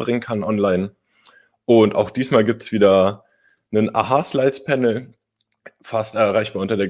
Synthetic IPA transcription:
bʁɪŋənkʰanʔɔnlaɪn | ʔʊntʔa̰ʊxd̥iːsmaːlɡiːp̚tsv̥iːdɐ | nəna̰ːɦaːslaɪspʰɛnl̩ | fastɛɐʁaɪçb̥aːɐʊntɐdeː

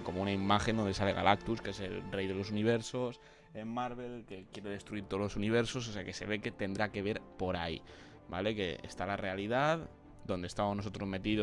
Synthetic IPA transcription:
ko̞mounaimaxend̪o̞nd̪e̞sale̞ɣa̰lʔak̚t̪uskee̞se̞lrejðe̞lo̞suniβ̞e̞ɾso̞s | eːaɾβ̞e̞lke̞kje̞ɾe̞ð̞e̞st̪ɾuiɾt̪oolosuniβ̞e̞ɾso̞s̬oseake̞se̞βe̞ke̞t̪e̞nd̪ɾake̞β̞e̞ɾpo̞ɾaḭ | ba̰le̞ke̞ḛst̪alare̞alið̞að | d̪o̞nd̪est̪aβmonoso̞t̪ɾo̞zme̞t̪iðo

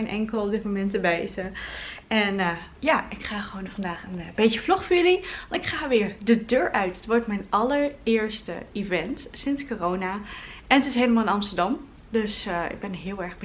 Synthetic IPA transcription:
nʔɛ̰ŋkəlˠɔp̚dɪt̚momɛntəbɛjzə | ɛn | jaɪkχaːχəʋownfɑndaːχənbejtjəflɔχfəɹjəliʋɑnɪkχaːʋɪːɹdədøːɹʔœɥtətʋɔɹtmɛjnɑləɹɪːɹstə̰ivɛntsɪnskorownaʔɛnətɪs̬ɦejləmaːlˠɪnɑmstəɹdɑm | døsɪ̰ɡ̚bɛnɦɪːlˠɛɹχb

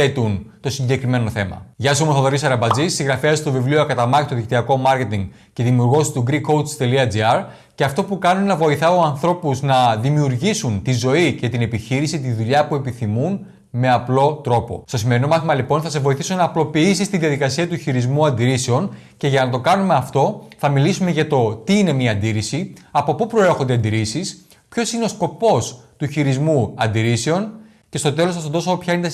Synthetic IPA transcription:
et̪unt̪o̞siɲɟe̞kɾime̞no̞θe̞mɐ̰ʝɐsomoθoðoɾisɐɾɐbɐd͡zissiɣɾɐfeɐst̪o̞vivlioɐkɐt̪ɐmɐɣit̪oðikt̪iɐko̞mɐɾce̞t̪iŋɡ | ce̞ðimiuɾɣo̞si̥st̪uɡɾiko̞w̪st̪e̞liɐd͡ziɐɾ | ceɐft̪o̞pukɐnunenɐvo̞iθɐoɐnθɾo̞puznɐðimiuɾʝisunt̪izo̞ice̞t̪ine̞piçiɾisit̪iðuʎɐpue̞piθimun | me̞ɐplo̞t̪ɾo̞po̞̰st̪o̞sime̞ɾino̞mɐθimɐlipo̞nθɐse̞vo̞iθisonɐːplo̞piisist̪iðiɐðikɐsiɐt̪uçiɾizmuɐnd̪iɾise̞o̞n | ce̞ʝɐnɐt̪̬o̞kɐnume̞ɐft̪o̞θɐmilisume̞ʝɐt̪o̞t̪iine̞miɐɐnd̪iɾisiɐpo̞pupɾo̞eɾxond̪eɐnd̪iɾisis | pço̞sine̞o̞sko̞po̞st̪uçiɾizmuɐnd̪iɾise̞o̞n | ce̞st̪o̞t̪e̞lo̞sθɐstond̪oopçɐinet̪

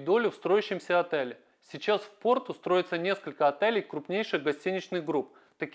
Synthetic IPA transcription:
d̪o̞lʲɪfst̪ɾo̞jʉɕːɪmsʲəɐt̪ɛlʲɪ | sʲɪt͡ɕasfpo̞rt̪ʊst̪ɾo̞jɪt̪sənʲe̞skəlʲkəɐt̪elʲɪjkɾʊpnʲejʂɨɣɡɐsʲtʲinʲɪt͡ɕnɨɣɡɾup̚ | t̪ɐkʲ

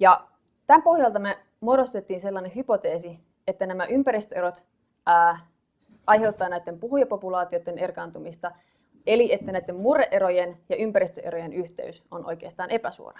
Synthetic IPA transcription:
jɑ | t̪æmpo̞hjɑlt̪ɑme | modost̪e̞t̪ːiːnse̞lːɑnehypo̞t̪eːsi | et̪ːænæmæʔympæɾist̪øe̞ɾot̪ː | ɑjɦe̞ut̪ːɑːnæit̪ːempuhujɑpopulɑːt̪iot̪ːene̞rkɑnt̪umist̪ɑ | eliet̪ːænæjt̪ːemmureʔeɾojenjɑʔympæɾist̪øʔeɾojenyht̪e̞̰ysonʔojk̟eːst̪ɑːnʔe̞pæsṵo̰rɑ

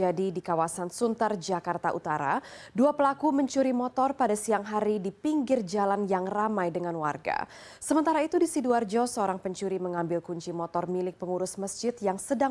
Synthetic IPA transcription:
adidikawasansunt̪ard͡ʒakart̪aʔut̪aɾa̰duapəlakuməɲt͡ʃuɾimɔt̪ɔrpadasiaŋɦaɾidipiŋɡɪrd͡ʒalanjaŋramajdəŋanwarɡa̰ | səmənt̪aɾait̪udisiduard͡ʒɔsəoɾaŋpəɲt͡ʃuɾiməŋambɪlkuɲt͡ʃimɔt̪ɔrmilɪk̚pəŋuɾʊsməsd͡ʒɪt̪̚jaŋsəda

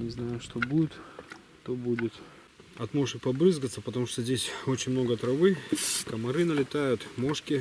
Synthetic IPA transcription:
nʲɪznajʊʂt̪obudʲɪt̪ | t̪obudʲɪt̪ | ɐt̪moʐɨpɐbɾɨzɡət̪səpət̪ɐmuʂt̪ozʲdʲesʲo̞t͡ɕɪnʲmno̞ɡət̪ɾɐvɨkəmɐɾɨnəlʲɪt̪ajʊt̪mo̞ʂkʲɪ

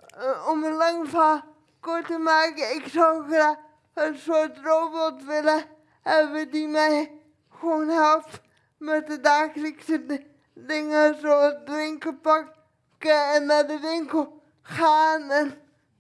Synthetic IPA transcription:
ɔmənlɑŋfa | kʊtəmaːkəɪksɔwxra | ənsotrowbɔtʋɪlə | ɛʋɪdimɛj | xʋoːnɦɛlˠpt | mɛt̚dədaːxələksə | dɪŋəsodʋɪŋkəlˠpɑk | kəɛnːadəʋɪŋkəlˠ | xaːnɛn

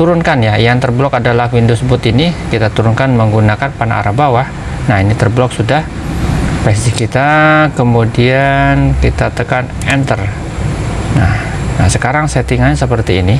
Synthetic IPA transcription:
t̪uɾʊnkanjajaŋt̪ərblɔkadalahwindʊsbʊt̪inikit̪at̪uɾʊnkanməŋɡunakanpana̰ʔa̰ɾabawah | nahinit̪ərblɔk̚sudah | pɛst̪ikit̪akəmudiankit̪at̪əkan | ɛnt̪ər | nah | nahsəkaɾaŋsɛt̪iŋaɲasəpərt̪iːni

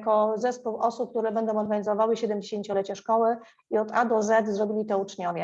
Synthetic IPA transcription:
kɔzɛspuwɔsup̚k̚t̪uɾɛbɛnd̪ɔ̃w̃ɔɾɡaɲizɔvawɘɕɛd̪ɛmd͡ʑeɕeɲt͡ɕɔlɛt͡ɕaʂkɔwɘ | iɔd̪ad̪ɔzɛt̪zɾɔbʲilʲit̪ɛut͡ʂɲɔvʲɛ

